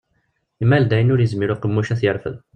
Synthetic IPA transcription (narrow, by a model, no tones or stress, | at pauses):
imːæld̪æjənʊɾjəzmiɾuqəmːuʃæθjəɾˤfə̰ð